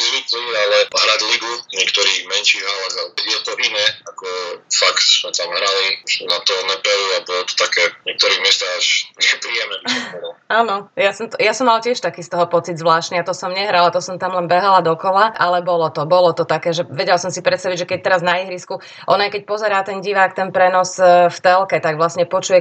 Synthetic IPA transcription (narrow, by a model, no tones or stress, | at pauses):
ɾiklialɛɦɾaɟliɡuɲɪɛkt̪ɔɾiːɣmɛnʃiɣɦalɛɣajɛt̪ɔʔinɛːakɔfakt̪smɛt̪amɦɾalisunat̪ɔːɾnɛpɛluabɔlɔt̪ɔ̥t̪akɛːɲɪɛk̚t̪ɔɾiːmɪɛst̪aaʒɛpɾiɛmnɛbisɔbɔd̪ɔaːnɔjasɔmt̪ɔjasɔmːaltɪɛʃt̪akiːst̪ɔɦɔpɔt͡sid̪zʋlaːʃt̪niat̪ɔsɔmɲɛɦɾalat̪ɔsɔmt̪amlɛnbɛɦalad̪ɔkɔlaʔalɛbɔlɔt̪ɔbɔlɔt̪ɔt̪akɛːʒɛʋɛɟɛlsɔmsipɾɛt̪st̪aʋiɟʒɛkɛɟ̚t̪ɛɾaznaiɦɾisku | ʔɔnajkɛc̚pɔzɛɾaːt̪ɛnɟiʋaːkt̪ɛnpɾɛnɔsft̪ɛlkɛt̪aɡʋlasɲɛpɔt͡ʃujɛ